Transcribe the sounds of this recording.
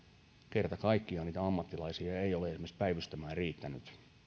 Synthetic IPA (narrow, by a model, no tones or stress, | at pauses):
kert̪ɑkɑikːiɑniːt̪æɑmːɑt̪ːilɑisiɑeioleesmespæiʋyst̪æmæːriːt̪ːæny̰t̪